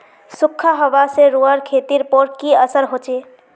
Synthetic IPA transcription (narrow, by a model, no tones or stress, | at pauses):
sukʰːaɦəʋaseɾuəɾkʰet̪iɾpɔɾkiəsəɾɦot͡ʃe